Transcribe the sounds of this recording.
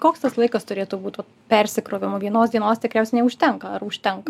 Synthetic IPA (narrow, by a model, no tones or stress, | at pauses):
koːkst̪ɐslˠɐɪkɐst̪ʊɾʲeːt̪ubuːt̪ʋɐt | pʲɛɾʲsʲɪkɾoːʋʲɪmʊʋʲiɛnoːsd̪ʲiɛnoːst̪ʲɪkɾʲɛˑʊsʲɛɪnʲɛʊʃʲt̪ʲɛŋkɐɐɾʊʃʲt̪ʲɛŋkɐ